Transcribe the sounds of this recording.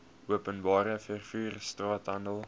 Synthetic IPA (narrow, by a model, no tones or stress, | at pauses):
uəpənbɑːɾəfærfyːrstrɑːtɦɐndəlˠ